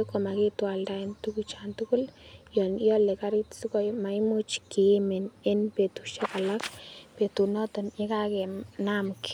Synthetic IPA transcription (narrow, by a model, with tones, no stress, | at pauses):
e˦ko˨ma˨ɡi˦t̪wa˨lda˧i˨nt̪u˦kut͡ʃa˨nt̪u˦kʊ˦ljɔ˨njɔ˦le˨ka˦ɾi˦t̪su˦ko˦jma˨jmu˦t͡ʃki˨mɪ˨nɪ˦npe˨t̪u˨ʃe˦ka˨la˦kpe˨t̪u˨nɔ˦t̪ɔ˨ne˦ka˦ke˨na˦mk